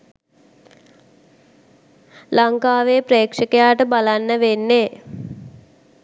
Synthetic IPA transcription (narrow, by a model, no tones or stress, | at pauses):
laŋkaːʋeːpɾeːkʂəkəjaːʈəbalanːəʋenːe